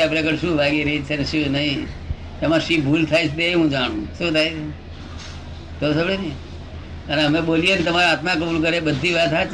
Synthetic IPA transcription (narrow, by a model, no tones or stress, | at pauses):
apɽekəɾʃũːʋʱaɡiɾəɦit͡ʃʰeneʃũnəɦĩ | emãʃibʱuːlt̪ʰajt͡ʃʰet̪eeɦũd͡ʒaɽ̃ũʃũt̪ʰajt͡ʃʰe | t̪osəɭe | əneɦəmẽɓolijekit̪əmaɾaat̪mãkəbulkəɾebəd̪ʱːiʋat̪ɦat͡ʃ